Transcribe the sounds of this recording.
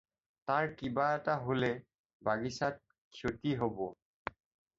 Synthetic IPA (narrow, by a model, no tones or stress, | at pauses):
taɹkibaɛtaɦolɛ | baɡisat̚ | kʰjotiɦobɔ